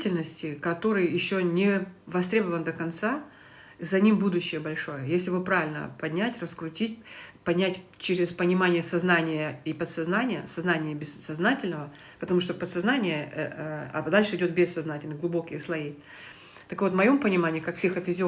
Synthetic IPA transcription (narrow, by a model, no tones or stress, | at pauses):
tʲɪlʲnəsʲtʲɪkɐt̪o̞ɾɨjjɪɕːo̞nʲɪvɐst̪ɾʲebəvənd̪əkɐnt̪sa | zɐnʲimbud̪ʊɕːɪjəbɐlʲʂo̞jəjesʲlʲɪvɨpɾavʲɪlʲnə̰pɐdʲnʲætʲrəskɾʊtʲit̚ʲpɐdʲnʲætʲt͡ɕɪɾʲɪspənʲɪmanʲɪjəsɐznanʲɪjəipət̪sɐznanʲɪjəsɐznanʲɪjəbʲɪssɐznatʲɪlʲnəvə | pət̪ɐmuʂt̪opət̪sɐznanʲɪjə | a̰d̪alʲʂɨɪdʲo̞t̪̚bʲesːɐznatʲɪlʲnɨɡlˠʊbo̞kʲɪjəslˠɐi | t̪əkvo̞t̪mɐjo̞mpənʲɪmanʲɪjəkakfsʲexɐfʲɪzʲɪ